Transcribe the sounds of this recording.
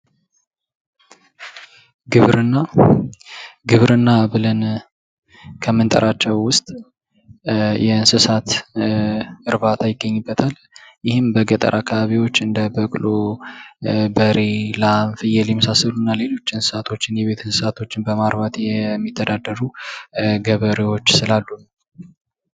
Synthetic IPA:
ɡɨβɾɨnːa | ɡɨβɾɨnːaβɨlən | kʰəmɨnt̪ʼə̰ɾʔat͡ʃːɛwːʊst̪ʼ | jɛɨnsɨsat̪ | ɨɾβat̪ʰajɪɡːəɲːɨbːət̪ʰal | jɪhɪmbəɡət̪ʼə̰ɾʔakʰːaβaβiwo̞t͡ʃːɨnd̪əbəkʼlo | bəɾelanfɨjɛljɛməsasəlunːale̞lo̞t͡ʃːɨnsɨ̥sat̪ʰo̞t͡ʃːɪnjɛβe̞t̪ʰɨnsɨsat̪ʰo̞t͡ʃːɪnbəmaɾβat̪jɛmːit̪ʰːəd̪ad̪ːəɾu | ɡəβəɾewo̞t͡ʃːsɨlalːu

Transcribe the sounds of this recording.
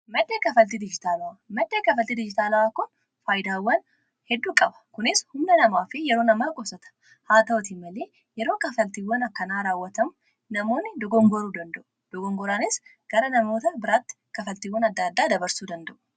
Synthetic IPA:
mɐd̪ːe̞ːkɐfɐlt̪id̪ɪd͡ʒɪt̪aːlɐwamɐd̪ːe̞ːkɐfɐlt̪id̪ɪd͡ʒɪt̪aːlɐwaːkʊn | faːjd̪aːwːɐn | hɛd̪ːuːkʼɐbɐ̥kʊnɪshʊmnɐnɐmaːfɪjɛɾo̞ːnɐmaːkʼɔsɐt̪ɐ̥ | haːt̪ɐwɔt̪ɪmɐleː | jɛɾoːkɐfɐlt̪iwːɐnɐkːɐnaːɾaːwːɐt̪ɐmʊ | nɐmo̞ːnːɪd̪ɔɡɔŋɡɔɾuːd̪ɐnd̪ɐʔʊ̥ | d̪̥ɔɡɔŋɡɔɾaːnɪs | ɡ̥ɐɾɐnɐmoːt̪ɐbɪɾaːt̪ːɪ̥kɐfɐlt̪ɪwːɐnɐd̪ːaːd̪ːaːd̪ɐbɐɾsuːd̪ɐnd̪ɐʔʊ̥

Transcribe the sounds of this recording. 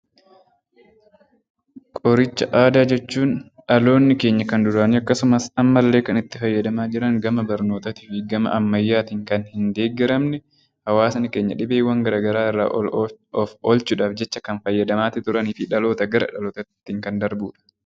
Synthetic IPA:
kʼɔɾɪt͡ʃːɐʔaːd̪aːd͡ʒɛt͡ʃːuːnᶑɐlo̞ːnːɪke̞ːɲːɐkɐnd̪ʊɾaːniɐkːɐsʊmɐsɐmːɐlːe̞ːkɐnɪt̪ːɪfɐjːɐd̪ɐmaːd͡ʒɪɾɐŋɡɐmɐbɐɾno̞ːt̪ɐt̪ɪfɪɡɐmɐ̰ʔɐmːɐjːaːt̪iːŋkɐnhɪnd̪e̞ːɡɛɾɐmnɛ | hɐwaːsɐnɪke̞ːɲːɐᶑɪbeːwɐŋɡɐɾaːɡɐɾaːɪrːa̰ːʔɔfɔlt͡ʃʊᶑaːfd͡ʒɛt͡ʃːɐkɐnfɐjːɐd̪ɐmaːt̪ɪt̪ʊɾɐniːfɪᶑɐlo̞ːt̪ɐɡɐɾɐ̰ᶑɐloːt̪ɐt̪ːiːŋkɐnd̪ɐɾbuːᶑɐ̥

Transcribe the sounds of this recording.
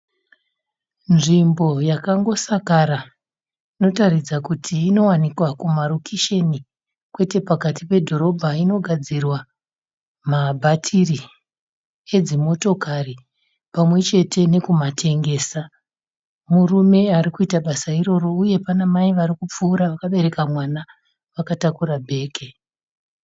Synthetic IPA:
nʐimbo̞jakaŋɡo̞sakaɾa | ino̞taɾid͡zakutʰiːno̞wanikwakumaɾokiʃe̞ni | kwe̞te̞pakatipe̞dʱo̞ɾo̞bʱaino̞ɡʱad͡zirwa | mabʱatʰiri | e̞d͡zimo̞to̞kari | pamwe̞t͡ʃe̞tʰe̞ne̞kumatʰe̞ŋɡe̞ːsa | murume̞aɾikuitaɓasaiɾo̞ro̞uje̞panamaiʋaɾikup͡fuːɾaʋakaɓe̞ɾe̞kamwana | ʋakatakuɾabʱe̞ːke

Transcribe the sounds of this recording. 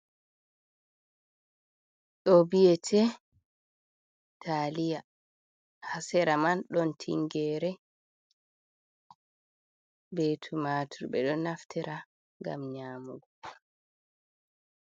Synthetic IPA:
ɗɔbijɛtʰɛ | tʰaːlija | hasɛɾamanɗɔntʰḭŋɡɛɾɛ | beːtʰumatʰuɾbɛɗɔnaftʰɛɾa | ŋɡa̰mɲaːmuɡɔ

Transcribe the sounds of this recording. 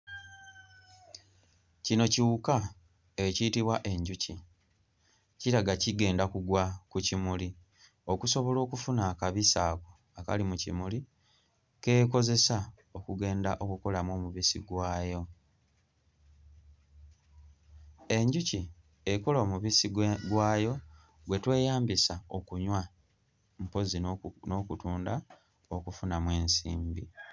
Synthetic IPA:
cino̞ciwuka | eciːtiβwaʔe̞ɲɟuci | ciɾaɡaciɡe̞ːndakuɡwakucimuli | o̞kuso̞βo̞lo̞ːkufunaːkaβisaːko | aka̰limucḭmuli | ke̞ːko̞ze̞sa | o̞kuɡe̞ːndaʔo̞kuko̞lamwo̞ːmuβisḭɡwaːjo̞ | e̞ɲɟuci | ekoloːmuβisiɡɡwaːjo̞ | ɡwe̞twe̞ːjaːmbisao̞kuɲwa | mpo̞zino̞kutuːnda | o̞kufunamwe̞ːnsḭːmbḭ

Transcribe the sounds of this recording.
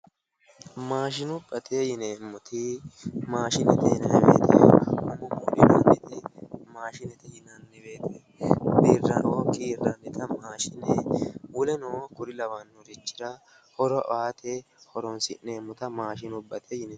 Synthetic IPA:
maːʃɪnʊbːɐt̪ʰejɪneːmːʊt̪ʰɪmaːʃɪnɛt̪ɛhɪnɛbḛːt̪ʰɛmɐnʊmʊʔɪnɐnɪt̪ɛmaːʃɪnɛt̪ɛhɪnɐnːɛbeːt̪e | biːrːɐokiːrːɐnːɪt̪ʰɐmaːʃɪnɛwʊlɛnoːkʊɾɪlɐwɐnːʊɾɪt͡ʃːɪ̥ɾɐ | hɔɾɔʔaːt̪ʰehɔɾɔnsɪnːeːmːʊt̪ɐmaːʃɪnʊbːɐt̪ʰejɪnɛ

